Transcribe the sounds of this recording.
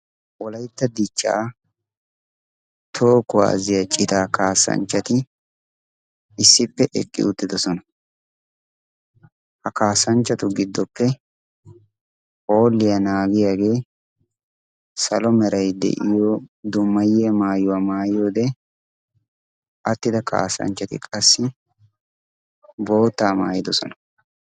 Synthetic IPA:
ʔɔlɐjt̪ːɐd̪ɪt͡ʃːa̰ː | t̪ʰoːkʊwa̰ːzɪjɐt͡ʃʼɪt̪aːkaːsɐ̰nt͡ʃːɐt̪ɪ | ɪsːɪpːɛʔɛ̰kʼːɪ̰ʊt̪ːɪd̪ɔsɔnɐ | hɐkaːsɐnt͡ʃːɐt̪ʊɡɪd̪ːɔpːɛ | ho̞ːlːɪjɐnaːɡɪjaːɡe̞ː | sɐlɔmɛɾɐjd̪ɛ̰ʔɪjoːd̪ʊmːɐjːeːmaːjʊwaːmaːjo̞ːd̪ɛ | ʔɐt̪ːɪd̪ɐka̰ːsɐ̰nt͡ʃːɐt̪ɪ̰kʼɐsːɪ | bo̞ːt̪ːaːma̰ːjɪd̪ɔsɔ̰nɐ̥

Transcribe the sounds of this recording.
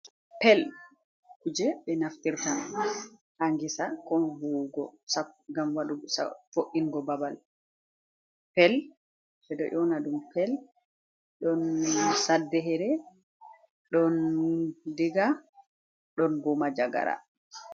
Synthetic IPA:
pɛl | kud͡ʒɛɓɛnaftiɾta | haŋɡisakɔnvuɡɔsaɡamwaɗusa̰foʔːinɡɔbabal | pɛl | bɛɗɔ̰ʔɔnaɗumpʰɛl | ɗɔnsadːɛɦɛɾɛ | ɗɔn | diɡa | ɗɔnbɔmad͡ʒaɡa̰ɾa̰

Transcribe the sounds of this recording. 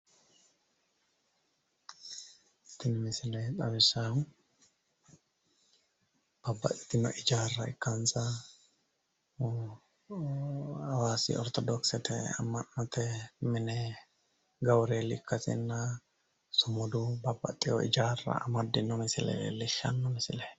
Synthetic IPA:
ɪt̪ːɪnɪmɪsɪlɛt̪ʼɐbɪsa | b̥ɐbːɐ̰t̪ʼɪ̥t̪ːɪnɔ̰ʔɪd͡ʒaːrːɐɪkːansɐ | ɐwaːsḭɔɾt̪ɔd̪ɔksɛt̪ɛɐ̰mːɐnːɔt̪ɛmɪnɛ | ɡɐwɾelɪkːɐsɪ̰nːa | sʊmɔd̪ubɐbːɐ̰t̪ʼːɪjɔ̰ʔɪd͡ʒaːrɐ̰ɐ̰mɐd̪ɪnːɔmɪsɪlɛ̰lɪʃɐ̰nːɔmɪsɪlɛ

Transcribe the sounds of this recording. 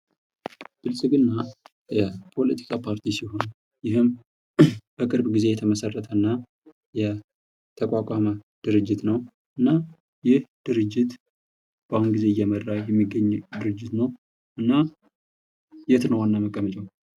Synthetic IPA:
b̥ɨlsʼɨɡɨnːa | jɛpʰo̞lət̪ʰi̥kʼʰapʰaɾt̪ʰisiɦo̞n | jɪɦɨm | b̥əkʼɨɾbɡize̞jɛt̪ʰəməsərːət̪ʰənːa | jɛ | t̪ʰəkʷʼakʼaməd̪̥ɨɾɨd͡ʒːɪt̪nəw | ʔɨnːa | jɪhd̪̥ɨɾɨd͡ʒːɪt̪ | b̥ahunɡize̞ɨjːɛmərːajɛmːiɡːəɲːd̪ɨɾɨd͡ʒːɪt̪nəw | ʔɨnːa | jɛt̪nəwanːaməkʼːəmət͡ʃʼəw

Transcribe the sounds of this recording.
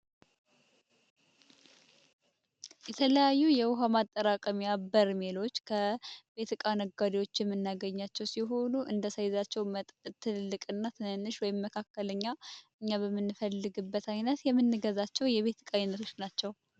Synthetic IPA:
jɛt̪ʰələjajːujɛwʊɦamat̪ʼːəɾakʼəmijabəɾmelo̞t͡ʃːkʰəbe̞t̪ɨkʼanəɡad̪iwo̞t͡ʃːjɛmːɨnːaɡəɲːat͡ʃːɛwsiɦo̞nuʔɨ̰nd̪əsəjzat͡ʃːɛwmət̪ʼt̪ʰːɨnɨlːɨkʼɨnːat̪ʰɨnɨnːɨʃwɔjɪmːəkʰakːələɲːaʔɨɲːaβəmːɨnːɨfəlːɨɡɨbːət̪ajnət̪jɛmːɨnːɨɡəzat͡ʃːɛwjɛβe̞t̪ʰkʼajnət̪ʰo̞t͡ʃːnat͡ʃːɛw

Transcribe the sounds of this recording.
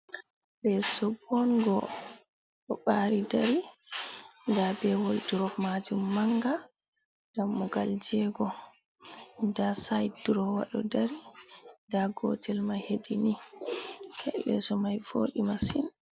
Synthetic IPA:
ɗɛsɔbɔnɡɔ | ɗɔɓaɾidaɾi | ndabɛwoldiɾɔmad͡ʒumːaŋɡa | ɡamːɔɡa̰ld͡ʒɛɡɔ | ndasajduɾɔwa̰ɗɔ̰daɾindaɡɔ̰tʰɛlmajheɗini | kʰɛ̰lːɛ̰sɔmajvo̰ːɗimasin

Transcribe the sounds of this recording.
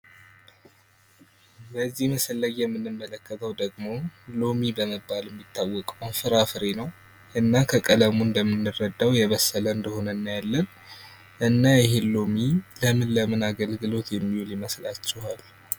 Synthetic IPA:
bəzːihməsəlːəɡjɛmːɨnːɨmːələkːət̪ʰəwd̪əɡmo̞lo̞mibəməbːaljɛmːit̪ʰːawːɔkʼəwnfɨɾafɨɾenəw | ʔɨnːakʰəkʼələmuɨnd̪əmːɨnːɨrːəd̪ːawjɛβəsːələɨnd̪əho̞nənːajɛlːən | ʔɨnːajɪɦelomiləmɨnləmɨnaɡəlɡɨlo̞t̪jɛmːihuljiməslat͡ʃːɛhal

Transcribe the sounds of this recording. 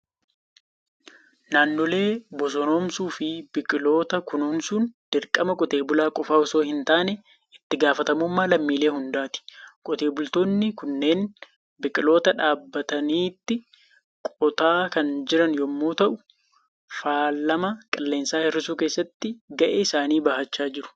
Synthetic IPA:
naːnːɔle̞ːbɔs̬ɔnoːmsuːfɪbɪkʼɪlo̞ːt̪ɐkʊnoːmsuːnd̪̥ɪɾkʼːɐmɐkʼʊt̪e̞ːbʊlaːkʼɔfaːʊso̞ːhɪnt̪aːnɛ | ɪt̪ːɪɡaːfɐt̪ɐmuːmːaːlɐmːiːle̞ːɦʊnd̪aːt̪ɪ̥kʼʊt̪eːbʊlt̪o̞ːnːɪkʊnːe̞ːn | bɪkʼɪlo̞ːt̪ɐᶑaːbːɐt̪ɐniːt̪ːɪ | kʼɔt̪aːkɐnd͡ʒɪɾɐnjɔmːoːt̪ɐʔʊ | faːlːɐmɐkʼɐlːe̞ːnsaːhɪrːɪsuːke̞ːsːɐt̪ːɪɡɐʔeːɪsaːniːbɐhɐt͡ʃːaːd͡ʒɪɾʊ̥

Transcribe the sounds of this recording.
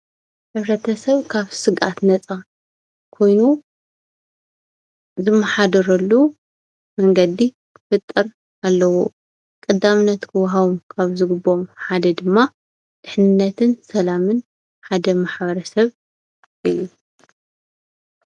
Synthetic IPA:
ħɨβɾɐt̪ʰɐsɐβkʰaβsɨɡʔa̰t̪nɐt͡sʼa | kʰo̞jnu | zɨmːɐħad̪ɐɾɐlːu | mɐŋɡɐd̪i | kʰɨ̥fɨt̪ʼːɨɾ | ʔalːɐwo | kʼɨd̪amɨnːɐt̪kʰɨwɦaβumkʰaβzɨɡɨbːo̞mħad̪ɐd̪ɨmːa | d̪̥ɨħnɨnːɐt̪ʰɨnsɐlamɨn | ħad̪ɐmaħbɐɾɐsɐβ | ʔɨjːu

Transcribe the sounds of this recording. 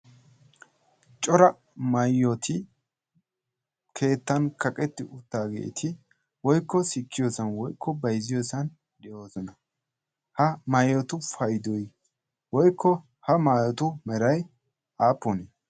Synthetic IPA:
t͡ʃʼɔɾɐ | mɐjːɔt̪ʰɪ | kʰe̞ːt̪ːɐnkɐkʼɛt̪ːɪʔʊt̪ːaːɡḛːt̪ʰɪ | wɔjkːɔsɪkːɪjoːsɐnwɔjkʰːɔbɐjzɪjoːsɐn | d̪ɛʔoːsɔnɐ | hɐmajɔt̪ʊfɐjd̪ɔj | wɔjkʰːɔ | hɐmaːjɔt̪ʊmɛɾɐj | aːpːɔni

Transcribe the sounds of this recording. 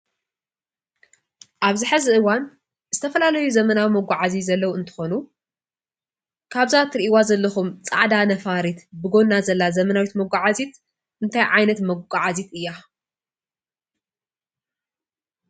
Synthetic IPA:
ʔaβzɨħɨzɨʔɨwan | z̥ɨt̪ʰɐfɐlalɐjuzɐmɐnawimɐɡʷaʕazizɐlːɐwuɨnt̪ʰɨ̥xonu | kʰaβzat̪ɾiʔiwazɐlːɐxumt͡sʼa̰ʕd̪anɐfaɾit̪bɨɡo̞nːazɐlːazɐmɐnawit̪mɐɡʷaʕazit̪ | ʔɨnt̪ʰajʕajnɐt̪mɐɡʷaʕazit̪ɨjːa

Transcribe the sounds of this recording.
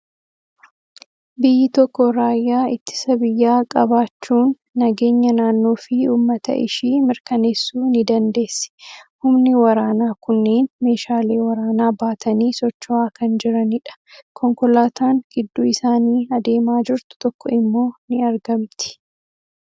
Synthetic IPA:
bɪjːɪt̪ɔkːɔɾaːjːaːɪt̪ːɪ̥sɐbɪjːaːkʼɐbaːt͡ʃːuːnː | ɐɡe̞ːɲːɐnaːnːo̞ːfɪuːmːɐt̪ɐ̰ʔɪ̰ʃiːmɪɾkɐneːsːuːnɪd̪ɐnd̪e̞ːsːɪ̥hʊmnɪwɐɾaːnaːkʊnːeːnme̞ːʃaːle̞ːwɐɾaːnaːbaːt̪ʰɐniːsɔt͡ʃːɔaːkɐnd͡ʒɪɾɐnɪᶑɐ̥kʰɔŋkɔlaːt̪aːŋɡ̥ɪd̪ːuːɪsaːniːɐd̪e̞ːmaːd͡ʒɪɾt̪ʊ̥t̪ɔkːɔɪmːo̞ːnɪɐɾɡɐmt̪ɪ̥

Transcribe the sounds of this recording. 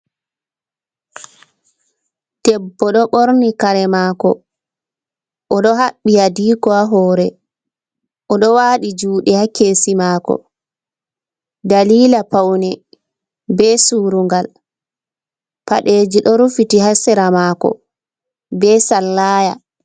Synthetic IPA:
tɛbːɔɗɔɓoɾnikaɾɛmaːkɔ̰ | ʔɔɗɔɦaɓːijadiːkɔaɦɔːɾɛ | ʔɔɗɔwaːɗid͡ʒuːɗɛhakːeːsimaːkɔ̰ | daliːlapawnɛ | bɛsuːɾuŋɡal | paɗeːd͡ʒiɗɔɾufitihasɛɾamakɔ̰ | bɛsalːaːja

